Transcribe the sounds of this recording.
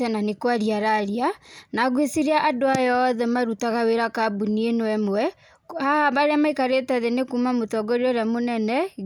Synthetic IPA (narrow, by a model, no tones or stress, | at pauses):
ɛnanekwaɾiaɾaɾianaɣwesiɾeaʔadoajɔðɛmaɾutaɣaweɾakabunienɔwɛmwɛ | haabaɾeamaikaɾetaðenekumamotɔɡɔɾiɔɾamonɛnɛ